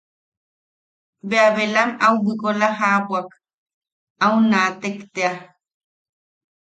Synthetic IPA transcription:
beaβelamawbikolaɦaːpwak | awnaːt̪ekt̪ea

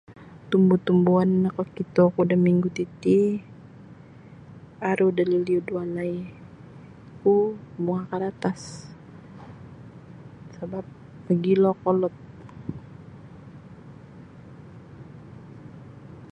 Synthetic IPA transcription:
t̪umbut̪umbuanːakɔkit̪ɔkudamiŋɡut̪it̪i | aɾudaliliudualai | kumuŋakaɾat̪as | sabap̚ | pəɡilɔkɔlɔt̪̚

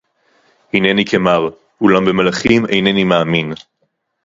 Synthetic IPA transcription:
hinenikʰemaʁ | ulambe̞malaχimejnenimaːmin

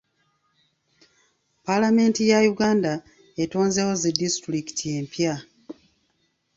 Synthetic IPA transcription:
palame̞ntijajuɡaːnda | eto̞ːnzewo̞zidistuɾiki̥tʰije̞mpja

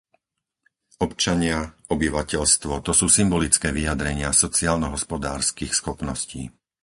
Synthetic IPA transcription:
ɔpt͡ʃaɲɪaɔbiʋacɛʎst̪ʋɔt̪ɔsuːsimbɔlit͡skɛːʋijad̪ɾɛɲɪasɔt͡siaːlnɔɦɔspɔd̪aːɾskiːxsxɔpnɔscḭː

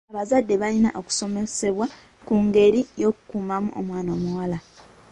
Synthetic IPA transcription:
aβazadːe̞βalina̰ʔo̞ku̥so̞me̞se̞βwa | kuŋɡe̞ɾijo̞kukuːmamṵʔo̰mwaːno̞ːmuwala

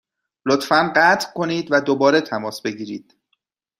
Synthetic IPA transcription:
lot̪fænɢæːt̪ʰkʰo̞niːd̪væd̪obɒːɾe̞t̪ʰæmɒːsbe̞ɟiːɾiːd̪̥

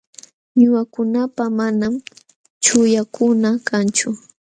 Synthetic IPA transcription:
ɲʊwakʊnapamanam | t͡ʃʊjakʊnakant͡ʃʊ

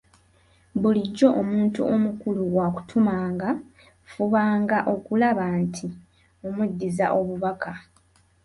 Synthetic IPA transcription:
βuliɟːo̞ʔomuːntuʔo̞mukuluwaku̥tʰumaːŋɡa | fuβaːŋɡaʔo̞kulaβaːntʰi | omudːiza̰ʔo̞βuβakʰa

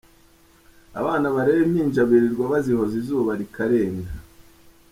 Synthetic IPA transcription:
a̰βaːnaβaɾeβemɲiːɲd͡ʒaβiɾiɾɡwaβaziho̞zizuːβaɾikaɾe̞ːnda

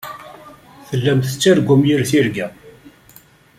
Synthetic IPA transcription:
θəlːæmθət͡sːæɾɡʷːʊmjiɾθiɾɡæ

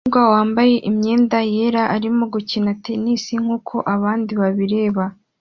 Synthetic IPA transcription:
uɡwawaːmbaje̞ʔimɲe̞ːndaje̞ɾaʔaɾimoɡucinatenisiŋ̥huːkʰo̞ʔaβaːndiβaβiɾe̞ːβa

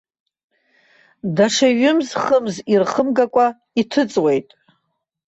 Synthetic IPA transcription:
daʂaɥʊmzχəmzirχəmɡakʷʼa | itʰɨt͡sʼwe̞jtʼ

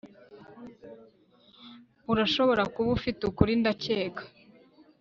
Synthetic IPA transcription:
uɾaʃo̞βo̞ɾakuβufitukuɾindaceːkḁ

